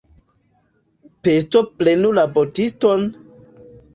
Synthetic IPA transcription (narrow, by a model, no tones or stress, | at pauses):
pes̬toplenulabotiston